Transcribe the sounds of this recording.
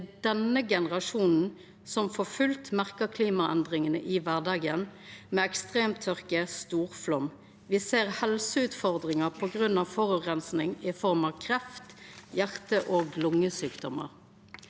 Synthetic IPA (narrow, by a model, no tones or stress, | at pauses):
d̪ɛnəɡɛnəʁɑʃuːnn̩ | sɔmfɔfʉlt̪mæʁkəʁkʰliːmɑɛnd̪ʁɪŋənə̰ʔɪʋæʁd̪ɑːɡənmeːɛkst̪ʁeːmt̪ʰːœʁkəst̪uːʁflɔm | ʋɪseːʁhɛlsəʉːt̪fɔʁd̪ʁɪŋəpʰɔɡʁʉnːɑʋfɔʁʉʁɛnsnɪŋɪfɔʁmɑʋkʰʁɛft̪jæʁt̪əʔoːɡlʊŋːəsyːkd̪ɔmə̰ʁ